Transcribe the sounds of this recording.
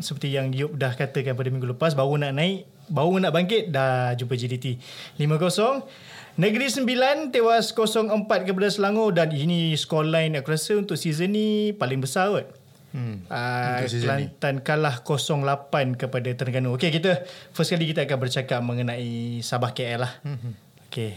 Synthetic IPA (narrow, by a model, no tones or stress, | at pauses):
səpərt̪ijaŋiʊp̚dahkat̪əkanpadamiŋɡuləpas̬bawunaʔnãɪʔ | bawunaʔbaŋkɪt̪̚dahd͡ʒumpəd͡ʒidit̪ilimə̃kosɔŋ | nə̃ɡəɾisəmbilant̪ewaskosɔŋəmpat̪̚kəp̬adasəlaŋodaniniskɔlajnakuɾasəunt̪ʊʔsizənːipalɪŋbəsaʊt̪̚ | əəlannt̪ankanlahkosɔŋlapankəpadat̪ənəɡanuokekit̪əfəskalikit̪aakanbərt͡ʃakap̚mə̃ŋənãisabahkeɛlah | oke